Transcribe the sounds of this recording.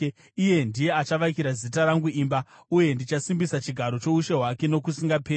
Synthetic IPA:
ije̞ndije̞at͡ʃaʋakiɾazitaɾaŋɡuiːmba | uje̞ndit͡ʃasimbisat͡ʃiɡʱaɾo̞t͡ʃo̞uʃe̞ɦwake̞no̞kusiŋɡapeː

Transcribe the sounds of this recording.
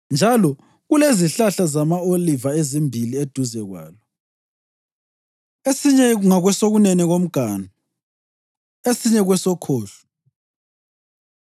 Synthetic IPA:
nd͡ʒʱalɔ | ɣuleziɬaɬazamaolivaezimbʱilied̥ʱuzɛɣwa̰ːlɔ | esiɲɛŋaɣwɛsoɣunɛnɛɣom̩ɡ̥ʱaːnɔ | esiɲɛɣwɛsɔkʰoːɬu̥

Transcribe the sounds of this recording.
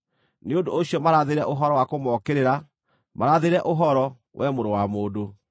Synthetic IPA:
neondooɕiɔmaɾaðeɾɛʔoɦɔɾɔwakomɔːkeɾeɾa | maɾaðeɾɛʔoɦɔɾɔ | wʔɛmoɾowamoːdo

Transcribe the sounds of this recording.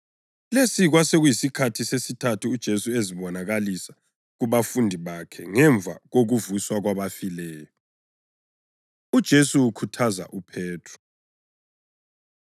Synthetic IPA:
lesiɣwaseɣujisikʰatʰisesitʰatʰuːd̥ʒ̥ʱesueziβɔnaɣalisḁ | ɣuβafundʱiβakʰɛŋɛɱb̪vʱa̰ɣoɣuvuswaɣwaβafilɛːjɔ | ud̥ʒ̥ʱesuwukʰutʰaza̰ʔupʰɛːtʰɔ̥

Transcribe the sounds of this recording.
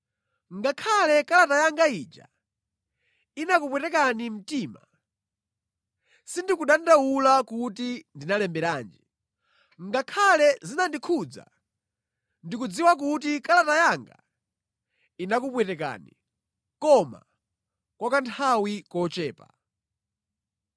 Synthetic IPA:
ŋɡakʰalɛkalatajaŋɡaid͡ʒa̰ | inakupwɛtɛkanim̩tiːma | sindikuɗandawulakutindinalɛmbɛɾaːnd͡ʒi | ŋɡakʰalɛzinandikʰud͡za̰ | ndikud͡ziwak̬ut̬ikalatajaŋɡa̰ | inak̬upwɛtɛka̰ːni | kɔma̰ | kwakantʰawikɔt͡ʃɛːpa̰

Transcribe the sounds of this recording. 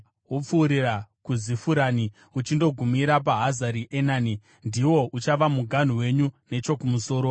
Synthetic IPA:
wop͡fuːɾirakuzifuɾaːni | ut͡ʃindo̞ɡʱumiɾap̬aɦazaɾiʔenaːni | ndiwo̞ut͡ʃaʋamuɡʱan̤uwe̞ɲune̞t͡ʃo̞kumuso̞ːɾo̞

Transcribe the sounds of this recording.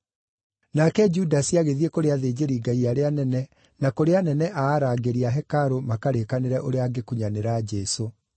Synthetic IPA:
nakɛd͡ʒudasiaɣeðiekoɾeaðed͡ʒeɾiɡaiaɾeanɛnɛ | nakoɾeanɛnɛʔaːɾaːɡeɾiaɦɛkaɾomakaɾekaneɾɛʔoɾeaːɡekuɲaneɾad͡ʒɛso

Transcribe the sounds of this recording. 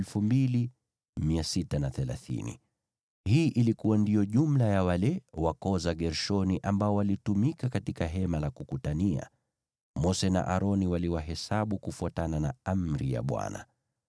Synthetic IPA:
lfumbili | miasitanaθɛlaθḭnḭ | hiːʔilikuwandijɔʄum̩lajawalɛwakɔzaɠɛɾʃɔniʔambaɔwalitumikakatikaɦɛmalakukutania̰ | mɔsɛna̰ʔaɾɔniwaliwaɦɛsaɓukufuatananaam̩ɾija̰ɓwa̰na̰

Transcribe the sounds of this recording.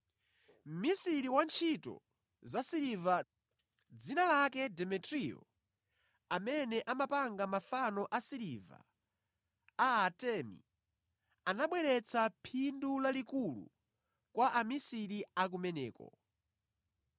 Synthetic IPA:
m̩misiɾiwant͡ʃʰitɔ̰ | zasiɾiva | d͡zinalakɛdɛmɛtɾiɔ̰ | amɛnɛʔamapaŋɡamafanɔʔasiɾiva̰ | tɛmḭ | anaɓwɛɾɛt͡sʰapʰindulalikulṵ | kwaʔamisiɾiak̬umɛnɛːkɔ̰

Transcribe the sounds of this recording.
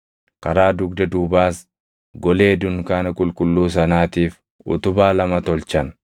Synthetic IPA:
kɐɾaːd̪ʊɡd̪ɐd̪uːbaːs | ɡɔleːd̪ʊŋkaːnɐkʼʊlkʼʊlːuːs̬ɐnaːt̪iːf | ʔʊ̰t̪ʊbaːlɐmɐt̪ɔlt͡ʃɐn

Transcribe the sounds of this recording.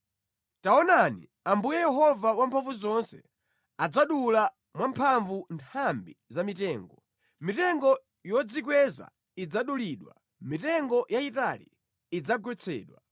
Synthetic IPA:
taɔnanḭ | ambujɛjɛɦɔvawampʰaɱvuzɔnsɛ̰ | ad͡zaɗula | mwampʰaɱvuntʰambizamitɛːŋɡɔ | mitɛŋɡɔ | jɔd͡zikwɛza̰ | id͡zaɗuliɗwa̰ | mitɛŋɡɔjaitalḭː | d͡zaɡwɛt͡sʰɛ̰ːɗwa

